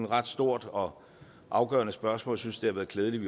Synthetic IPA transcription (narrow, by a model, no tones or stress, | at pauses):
nʁɑ̈d̥sd̥o̝ɐ̰d̥ɒ̽ | ʔɑ̈ʊɡ̥ɶ̰ɐnəsb̥ɶɐsmɔ̽ːljsynsd̥e̝hɑʋæːɐð̩ˠkʰleːð̞ˠəliʋi